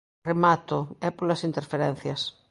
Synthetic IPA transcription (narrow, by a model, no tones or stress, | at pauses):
remat̪ʊɛpolɐsint̪eɾfeɾɛn̟θjɐs